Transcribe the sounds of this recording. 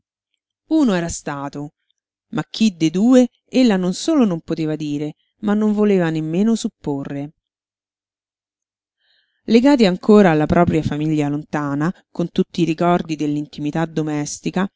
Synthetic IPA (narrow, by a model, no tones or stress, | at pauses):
uːnoɛːɾast̪aːt̪o | mak̟ːid̪ed̪uːe | elːanonsoːlonompot̪eːvad̪iːɾe | manːoɱvoleːvanemːeːnosupːorːe | leɡaːt̪iaŋkʰoːɾaːlːapɾʔɔːpɾjafamiʎːalont̪aːna | kont̪ut̪ːiːɾikɔrd̪id̪elːint̪imit̪ad̪omɛst̪ika